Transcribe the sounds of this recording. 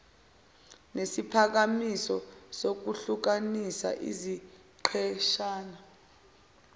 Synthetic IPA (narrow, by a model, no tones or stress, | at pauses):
nesipʰak̬amisɔsok̬uɬuk̬anisa̰ʔḭzi | ǃʰɛʃaːna